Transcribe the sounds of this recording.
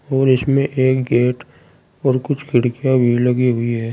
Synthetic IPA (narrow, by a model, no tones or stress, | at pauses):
ɔːɾɪsmẽʔeːkɡeːʈ | ɔːɾkʊt͡ʃʰkʰɪɽkijabʱilɐɡiɦʊiɦɛː